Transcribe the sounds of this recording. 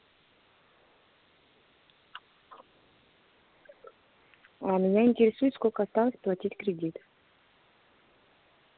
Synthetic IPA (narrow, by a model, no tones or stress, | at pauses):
amʲɪnʲaɪnʲtʲɪɾʲɪsujʊt̪ʲskolʲkəɐst̪alˠəsʲplˠɐtʲitʲkɾʲɪdʲit̪